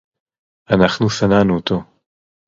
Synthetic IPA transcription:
ʔanaχnusananut̪o

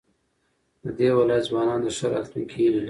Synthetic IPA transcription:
d̪əd̪ewɪlɑjat̪zwɑnɑnd̪əʃəɾa̰lt̪nukʰilil

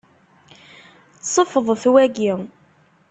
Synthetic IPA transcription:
sˤəfəðˤθwæɡi

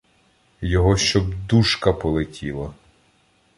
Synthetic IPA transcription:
jɔɦɔʃt͡ʃɔbd̪uʃkɐpɔlˠetʲʰilˠɐ

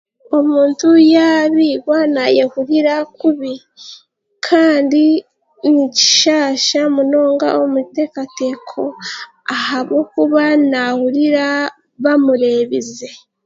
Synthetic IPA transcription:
omuːntujaβiɡwanajahuɾiɾakuβi | kʰaːndi | nici̥ʃaːʃamuno̞ːŋɡa̰womute̞ːkatekʰo̞ | ahaβokuβanahuɾiɾa | βamuɾe̞βize̞

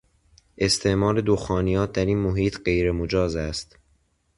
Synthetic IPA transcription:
ʔe̞st̪ʰe̞ʔmɒːɾe̞d̪oxɒːnijɒːt̪̚ʰd̪æɾiːnmoɦiːt̪ʰɢe̞jɾemod͡ʒɒːzæst̪

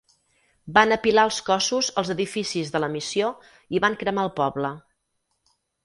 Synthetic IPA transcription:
banəpilaəlˠskɔsuzəlˠzəðifisizðələmisio | iβaŋkɾəmaəlˠpɔβlə

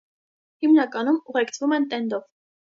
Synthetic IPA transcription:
himnɑkɑnumuʁɛkt͡sʰvumɛnt̪ɛnd̪ɔv

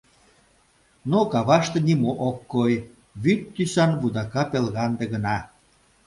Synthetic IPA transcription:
nokɑβɑʃt̪ĕnimoʔokːoj | βyt̪ːysɑnβud̪ɑkɑpelɣɑnd̪ĕɣə̆nɑ

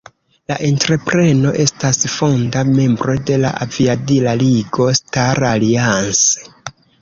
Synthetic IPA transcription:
laʔentɾe̞pɾe̞no̞ʔe̞stasfo̞ndame̞mbɾo̞de̞la̰ʔaviadilaliɡo̞staɾalianse

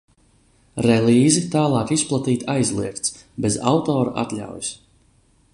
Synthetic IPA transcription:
ɾɛliːzit̪aːlˠɑːkisplˠat̪iːt̪ʰajzlˠiɛkt̪s | beza̰wt̪ɔːɾa̰ʔa̰t̪lʲa̰wjus

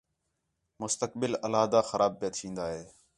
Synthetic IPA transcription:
mʊst̪əkbɪləlaːd̪aːxəɾʔaːb̚peːt̪ʰĩːnd̪aːɦeː

